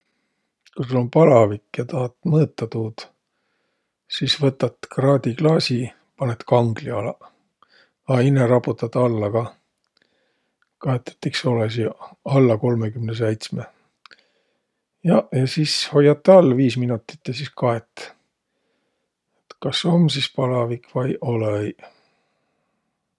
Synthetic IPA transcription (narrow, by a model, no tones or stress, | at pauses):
kusulompɑlɑvikːjɑt̪ɑhɑt̪ːˑmɤːt̪ːɑt̪uːt̪ | siːsvɤt̪ːɑt̪ːkrɑːd̪ʲiklɑːsi | pɑnet̪kɑŋɡ̥liɑlɑ | ɑineɾɑput̪ːˑɑt̪ɑlːɑkɑ | kɑet̪ːˑe̥t̪ːˑiksolɑsiɑlːɑko̞lmekymnes̬ejt̪sme | jɑjɑsisho̞jɑt̪ˑːɑlːviːsminut̪ːˑi̥t̪ːjɑsiskɑet̪ː | et̪kɑso̞msispɑlɑvikvɑjʔolej